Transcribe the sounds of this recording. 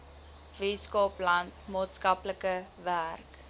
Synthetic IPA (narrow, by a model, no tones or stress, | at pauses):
viskoplɐntmɑːtskɐpləkəværk